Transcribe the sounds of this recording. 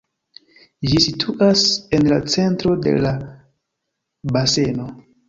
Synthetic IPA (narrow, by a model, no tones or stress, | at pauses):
d͡ʒisitʰuʔase̞nlat͡se̞ntɾo̞de̞̰la | base̞no̞